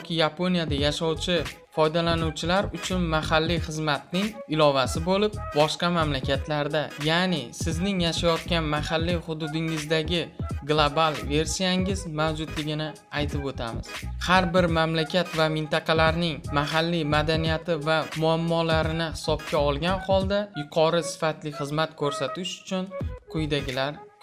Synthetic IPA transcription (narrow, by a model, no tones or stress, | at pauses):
jkʲʰɪjapʰo̞nijad̪ajaʃɒwt͡ʃʰɪ | fɒjd̪alanuwt͡ʃʰɪlaɾʊt͡ʃʰʊnmaɦalːiχɨzmat̪̚nɪŋɪlɒvasɪbolɪp̚bɒʃqɑmamlakʲʰat̪ʰlaɾd̪ajanɪsɪznɪŋjaʃajɒt̪̚kʲanmahalːiχʊd̪ʊd̪ɪŋɪzd̪aɡʲɪɡlˠoabalˠve̞ɾsijaŋɪzmawd͡ʒʊd̪lɪɡʲɪnɪ | ajt̪ʰɪpot̪ʰamɪ̰z̥haɾbɪɾmamlakʲʰat̪vamɪnt̪ɑqʰɑlaɾnɪŋmaɦalːimad̪anijat̪ʰɪvamʊamːɒlaɾɪnɪhɪ̥sɒp̚kʲaɒlˠɡʲanχɒlˠd̪ajʊqʰɒɾɪsɪ̥fat̪lɪχɨzmat̪kʰɵɾsat̪ʰɪʃʊ̥t͡ʃʰʊnqʰʊjd̪aɡʲɪlaɾ